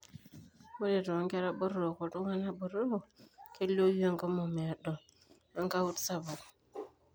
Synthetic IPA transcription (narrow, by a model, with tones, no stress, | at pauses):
mo˦de˨do˨a˨˦ŋke˦ɾa˦bə˦ɾo˨ko˨tu˦ŋa˦na˦bə˨ɾo˦˨ke˦lo˦ji˦a˦ŋko˦mo˨me˨ja˨do˨ | a˦ŋka˦wu˦tsa˦ba˨